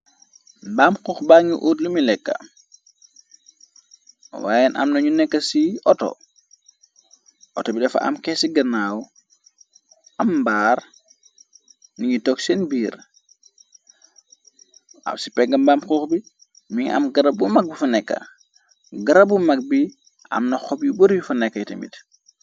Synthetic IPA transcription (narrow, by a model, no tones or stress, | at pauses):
baːmxuːxbaːŋuʔuːtlumilɛkːɐ̰ | wa̰ːjɛnʔɐ̰mnɐɲunɛkːɐsiʔɔtɔ̰ | ʔɔtɔbidɐfɐ̰ɐ̰mkɛsiɡɐnaːwu | ɐmbaːr | niɲutɔksɛnbiːɾ | a̰msipɛɡɐmbamxuːxbi | miŋɐ̰mɡɐɾɐbumɐk̚bifɐnɛkːɐ̰ | ɡɐɾɐbumɐk̚bi | ɐ̰mnɐxɔbjuboɾjufɐnɛkːɐjtɐ̰mḭt